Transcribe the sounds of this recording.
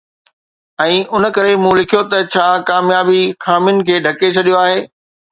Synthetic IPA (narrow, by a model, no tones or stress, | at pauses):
ɛ̃ːʔʊn̆kɐɾemũːlɪkʰijot̪ɐt͡ɕʰaːkaːmjaːbixaːmɪjʊnɪ̆kʰeːɖʱɐket͡ɕʰɐɗijoaːɦeː